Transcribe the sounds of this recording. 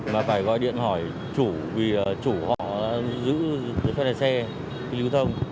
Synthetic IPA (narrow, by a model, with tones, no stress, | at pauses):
maː˨˩faː˧˩jɣɔ̰˧˨jɗḭ˧˨ənɦɔ˧˩j | t͡ɕu˧˩vi˨˩˨t͡ɕu˧˩hɔ̰˧˨zɨ̰˧˥zə˧˨fɔ˧laː˨˩sɛ˧ | i˧˦li˧˦wt̪ʰə˧wŋ͡m